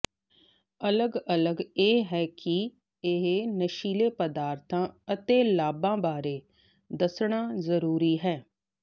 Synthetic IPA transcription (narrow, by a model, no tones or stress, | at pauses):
ələɡələɡeːɦɛːkɪ | ɪɦenəʃiːleːpəd̪aːɾt̪ʰãːət̪eːlaːbãːbaːɾeː | d̪əsɳ̃aːzəɾuːɾiːɦɛː